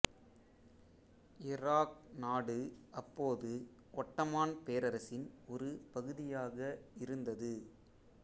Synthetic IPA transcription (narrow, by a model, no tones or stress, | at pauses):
ɪɾaːk̚naːɽɯʔɐpːoːðɯ | ʔɔʈːɐmaːnpeːɾɐɾɐsɪnɔɾɯpɐɣɯðɪjaːɣɐɪɾɯnd̪ɐðɯ